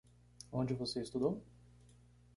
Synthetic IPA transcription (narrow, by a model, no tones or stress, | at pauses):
õnd͡ʒɪvoseɪst̪ud̪ow